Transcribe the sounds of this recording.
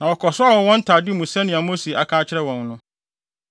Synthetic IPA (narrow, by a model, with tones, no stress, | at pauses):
nã˨wɔ˨kʰɔ˨sʊ˦a˦wɔ̃˨wɔ̃˦n̩˦tʰaː˨dɪ˦mũ˨sɛ̃˦nɪ̃˨a˨mo˦si˨a̰˨kʰãː˦t͡ɕʰɪ˦ɾɛ˦wɔ̃˨n˦nʊ̃˦